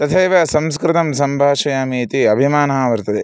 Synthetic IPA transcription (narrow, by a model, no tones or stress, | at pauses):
t̪ɐt̪ʰeːʋɐsɐmskɾɪt̪ɐmsɐmbʱaːʃɐjaːmiːt̪iɐbʱimaːnɐaːʋɐɾt̪ɐd̪e